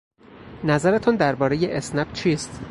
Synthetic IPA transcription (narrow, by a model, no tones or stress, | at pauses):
næzæɾet̪ʰuːnd̪æɾbɒːɾejeʔesnæb̥̚t͡ʃʰiːst̪